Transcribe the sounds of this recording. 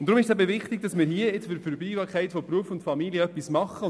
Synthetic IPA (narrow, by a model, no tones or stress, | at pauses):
nt̪ːɾʊmɪʃsæɛbəvɪχtɪɡ̥̚d̥ɑsmɪːɾɦiəɪt͡sfɪɾfəɾbiːvɑːɾkʰɛɪtfopɾuəfʊntfɑmiliəœpːismɑχːə